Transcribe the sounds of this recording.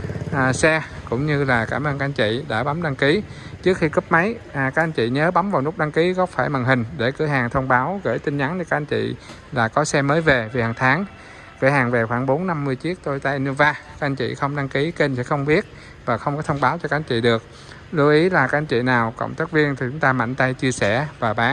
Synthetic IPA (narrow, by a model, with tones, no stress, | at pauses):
ʔːsɛ˧kʊ̰˧˥ŋ͡mɲɨ˧laː˨˩kaː˧˩mʔəː˧nka˦˧˥ʔnt͡ɕḭ˧˨ɗa̰ː˧˩ɓa˨˦mɗa˧ŋki˨˦t͡ɕɨ˦˥ək̚xi˧kɨ˦˥p̚mə˨˦jka˦˥k̚a˧nt͡ɕḭ˧˨ɲəː˨˦ɓa˨˦mvaː˨˩wnʊ˦˥k͡p̚ɗa˧ŋki˨˦kɔ˨˦faː˧˩jma˨˩ŋɦï˨˩ŋ̟ɗe˧˩kɨ˧˩əɦhaː˨˩ŋt̪ʰə˧wŋ͡mɓaː˨˦wɣə̰˧˩jt̪ï˧ŋ̟ɲa˨˦n˧kaː˦˥ʔa˧nt͡ɕḭ˧˨ | laː˨˩kɔ˨˦sɛ˧məː˨˦jve˨˩vi˨˩haː˨˩ŋt̪ʰaː˨˦ŋ | kɨ˧˩əhaː˨˩ŋve˨˩xwaː˧˩ŋɓo˨˦nːa˧mːɨ˧əjt͡ɕi˦˥ək̚t̪o˧jt̪a˧jnu˧vaː˧a˦˥ʔa˧nt͡ɕḭ˧˨xə˧wŋ͡mɗa˧ŋki˨˦ke˧nsɛ̰˧˥xə˧wŋ͡mɓi˦˥ət̚ | vaː˨˩xə˧wŋ͡mkɔ˨˦t̪ʰə˧wŋ͡mɓaː˨˦wt͡ɕɔ˧ka˦˥ʔɲt͡ɕḭ˧˨ɗɨ˨˩ək̚ | lu˧ʔi˨˦laː˨˩kaː˦k̚ʔa˧nt͡ɕḭ˧˨naː˨˩wkɔ̰˧˨wŋ͡mt̪aː˦˥k̚vi˧ənt̪ʰi˨˩t͡ɕʊ˨˦ŋ͡mt̪aː˧ma̰˧˨jŋ̟t̪a˧jt͡ɕi˧əsɛ˧˩vaː˨˩ɓaː˨˦ŋ